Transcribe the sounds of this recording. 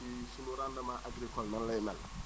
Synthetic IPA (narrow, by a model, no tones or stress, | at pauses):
isunoɾãndamaʔaɡɾikɔlnanlajɛmɛlːa̰